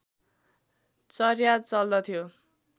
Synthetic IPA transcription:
t͡sʌrjat͡sʌld̪ʌt̪ʰijo

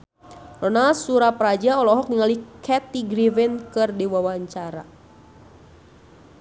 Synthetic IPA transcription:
lɔnasuɾapɾad͡ʒaɔlɔɦɔk̚niŋalikʰɛt̪iɡɾivɛnkɨrdiwawaɲt͡ʃaɾa̰

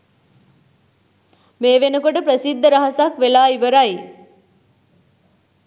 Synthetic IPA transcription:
meːʋenəkoʈəpɾəsid̪ʱːəɾɐɦəsakʋelaːiʋəɾaj

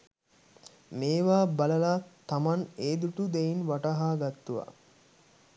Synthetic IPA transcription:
meːʋaːbalɐlaːt̪amaneːd̪uʈud̪ejinʋaʈaɦaːɡat̪ːuʋa̰

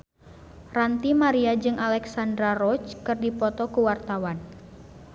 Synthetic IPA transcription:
rant̪imaɾiad͡ʒɨŋalɛksandɾarɔt͡ʃkɨrdipɔt̪ɔkuwart̪awan

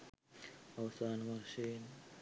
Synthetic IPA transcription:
awsanmaʃin

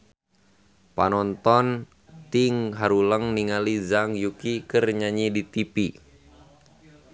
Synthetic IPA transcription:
panɔnt̪ɔn | t̪iŋɦaɾuləŋniŋalizaŋjukikərɲaɲidit̪ipi

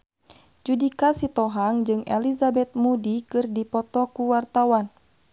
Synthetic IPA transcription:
d͡ʒudikasit̪ɔɦaŋd͡ʒɨŋɛ̰lizabɛt̪̚mudikɨrdipɔt̪ɔkuwart̪awan

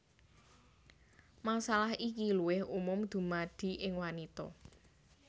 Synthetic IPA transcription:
masalahikiluwɪhumʊmd̪̥ṳmaɖ̪̥i̤ʔɪŋwanit̪ɔ

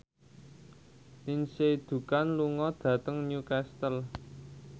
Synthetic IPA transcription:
ninsed̪̥ṳkanluŋɔd̪̥ä̤t̪əŋnukɛst̪əl

